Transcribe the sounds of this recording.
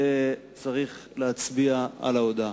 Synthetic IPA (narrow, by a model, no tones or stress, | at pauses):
e | t͡saʁiχleat͡sbiaa̰laod̪a